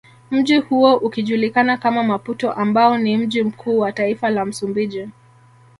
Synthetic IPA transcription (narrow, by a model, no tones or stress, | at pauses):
m̩ʄihuɔʔukiʄulikanakamamaputɔʔambaɔnim̩ʄim̩kʰuːwataifalam̩sumbiʄi